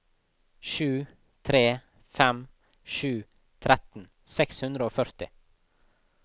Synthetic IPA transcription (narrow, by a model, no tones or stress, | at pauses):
ʃʉː | t̪ʰɾeː | fɛm | ʃʉː | t̪ʰɾɛt̪n̩ | sɛkshʉnd̪ɾəoːfœɾt̪ɪ